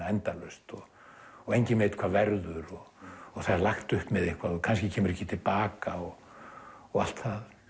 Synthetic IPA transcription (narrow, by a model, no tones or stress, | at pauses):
aɛnt̪alœɥst̪ɔ | ɔejɲcɪnveːt̪kʰvaːðvɛɾðʏɾɔːθaðɾlaxt̪ʏhpmɛðehkvaðɔkʰanscɪcʰɛːmʏɾɛhcːɪt̪ʰɪlpaːkaɔ | ɔɣal̥t̪θað